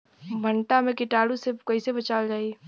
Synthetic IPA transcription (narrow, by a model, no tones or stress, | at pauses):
bʱəɳʈamẽkɪʈaːɽusekɐisebɐt͡ʃaːld͡ʒaːi